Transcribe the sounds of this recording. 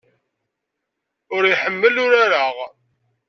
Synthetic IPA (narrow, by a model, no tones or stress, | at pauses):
ʊɾiħəmːəlʊɾaɾaʁ